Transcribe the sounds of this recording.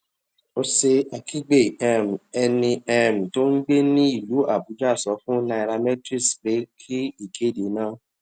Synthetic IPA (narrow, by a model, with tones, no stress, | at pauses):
o˧se˧a˨kʰi˦ɡ͡be˦˨ɛ˦˨m̩˨ɛ˧nĩ˧ɛ˦˨m̩˨to˦n̩˦ɡ͡be˦nĩ˦i˦˨lu˨˦a˦˨bu˨˦d͡ʒa˦˨sɔ˨˦fũ˦na˧i˧ɾa˧mɛ˦tɾi˦˨sɾe˨˦kʰi˦i˦˨kʰe˨˦˨de˨˦nãː˦